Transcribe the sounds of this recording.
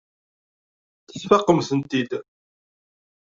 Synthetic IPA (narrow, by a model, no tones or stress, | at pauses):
θə̥sfɑqːəmθənt̪id̪